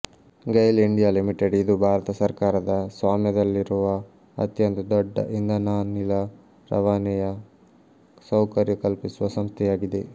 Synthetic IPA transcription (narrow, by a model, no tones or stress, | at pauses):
ɡɐjliɳɖijaːlimiʈeɖid̪ubʱaːɾɐt̪ɐsɐɾkaːɾɐd̪ɐsʋaːmjɐd̪ɐlːiɾuʋɐ | ɐ̰t̪jɐnt̪ʰɐd̪ɔɖːɐ̰ʔind̪ʱɐnaːnilɐ | ɾɐ̰ʋaːnijɐ | sɐwkɐɾjɐkɐlpisuʋɐsɐmst̪ʰɛjaːɡid̪e̞